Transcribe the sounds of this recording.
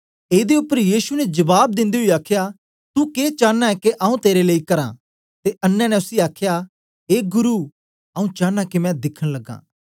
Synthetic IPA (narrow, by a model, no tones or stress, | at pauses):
eːd̪eʊpːəɾjiːsunɛd͡ʒɐbaːb̚d̪ɪ̃nd̪eɦʊiaːkʰja | t̪ukeːt͡ʃãːnːaɛkeʔɐũt̪eːɾeleːikɐɾã̰ | t̪eʔɐnːɛ̃nɛ̃ʊsiaːkʰja | eːɡʊɾu | ɐũt͡ʃãːãkimɛ̃d̪ɪkʰəɽ̃lɐɡːã̰ː